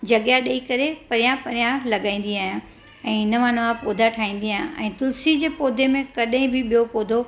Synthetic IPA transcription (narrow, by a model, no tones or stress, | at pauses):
d͡ʑɐɡjaɗɐikɐɾepɐɾijãpɐɾijãlɐɠãːĩːn̆d̪iaːɦjã | ɛ̃ːnɐʋãnɐʋãpoːd̪ʱaʈʰaːĩːn̆d̪iaːɦjãʔɛ̃ːt̪ʊsid͡ʑeːpoːd̪ʱemẽkɐɗɦĩbʱɪɓijopoːd̪ʱo